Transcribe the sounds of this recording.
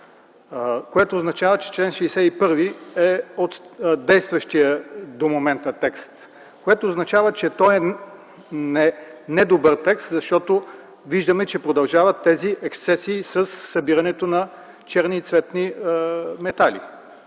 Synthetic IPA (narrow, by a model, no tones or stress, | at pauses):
koɛt̪oːznɐt͡ʃavət͡ʃɛ̥t͡ʃlɛnʃɛisɛipɤɾviɛot̪d̪ɛjst̪vɐʃt̪iəd̪omomɛnt̪ɐt̪ɛkst̪ | koɛt̪oːznɐt͡ʃavət͡ʃɛt̪ɔɛ | nɛnɛd̪obɤɾt̪ɛkst̪zɐʃt̪ɔt̪o | viʒd̪əmɛt͡ʃɛpɾod̪ɐlˠʒavɐt̪ːɛziʔɛkst̪sɛsiːsəsːɐbiɾɐnɛt̪onɐ | t͡ʃɛɾniːt̪svɛt̪ni | mɛt̪alḭ